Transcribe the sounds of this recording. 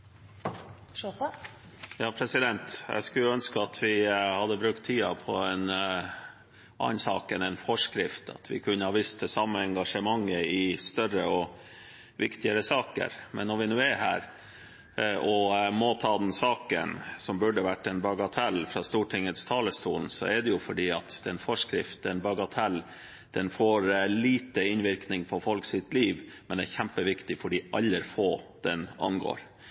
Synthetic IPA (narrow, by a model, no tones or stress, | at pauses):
jɑːpʰɾɛsɪd̪ɛnt̪jæ̰skʉœnskəɑt̪ʰʋɪhɑd̪əbɾʉkt̪ʰːiːɑpʰɔɛn | ʔɑ̰ːnsɑːkənɛɪnfɔʂkɾɪft̪ʰɑ̰t̪ʰʋɪ̰kʰʉnːəhɑʋist̪ʰəsɑmːəɛŋɡɑʂəmɑŋːəɪst̪œɾəɔ | ʋɪkt̪ɪəɾəsɑːkə̰ɾmɛnːɔɾʋɪnʉːæɦæːɾ | ʔɔmot̪ʰɑːd̪ɛnsɑːkə̰nsɔmbʉɖəʋæʈːɛnbɑɡɑt̪ʰɛlfɾɑst̪uːʈʰɪŋːət̪st̪ʰɑːləst̪uːln̩sɔ̰ɛɖɛjʊfɔɖiːɑt̪d̪ɛnfɔʂkɾɪft̪ɛnbɑɡɑt̪ʰɛl | d̪̥ɛnfoːɾliːt̪əɪnʋɪɾknɪŋpʰɔfɔlksɪt̪liːʋmɛnæɾçæmpəʋɪkt̪ɪfɔɖɪʔɑlːəɾfoːd̪̥ɛnɑ̰nɡo̰ːɾ